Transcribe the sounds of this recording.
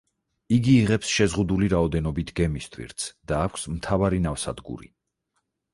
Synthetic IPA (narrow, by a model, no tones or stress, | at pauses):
iɡiːʁɛpsʃɛzʁud̪uliɾaɔd̪ɛnɔbit̪ʰɡɛmist̪ʰwḭɾt̪sʰd̪̥aːkʷʰsmt̪ʰavaɾinafsa̰d̪ɡṵɾḭ